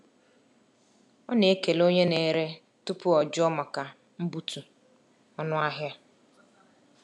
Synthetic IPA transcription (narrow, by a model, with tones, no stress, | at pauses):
ɔ˦ne˨e˦ke˨lo˦ɲe˦ne˨ɾe˦ | tʊ˦pʊ˦ɔ˨d͡ʒʊ˦ɔ˦ma˨ka˨ | m̩˦bu˦tu˨ | ɔ˦nʊ˦a˦ɦja˦